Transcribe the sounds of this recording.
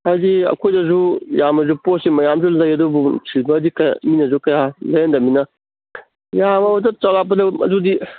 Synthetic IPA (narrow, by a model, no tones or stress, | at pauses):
hajdiɐ̰kʰojdɐzujamɐzuposimɐjamzulɐjɐdubusʰibɐːdikɐj̰minɐzukɐjalɐjendɐminɐ | jamɐutɐt͡ʃawlap̬ɐdɐɐ̰dudi